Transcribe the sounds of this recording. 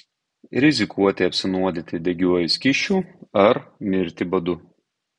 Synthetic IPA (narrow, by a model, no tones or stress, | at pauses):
ɾʲɪzʲɪkʰuɔt̪ʲɪɐpʲsʲɪnuɔd̪ʲɪt̪ʲɪd̪ʲɛɡʲuɔjɪsʲkʲɪʃʲt͡ʃʲuːɐɾmʲɪɾʲt̪ʲɪbɐd̪ʊ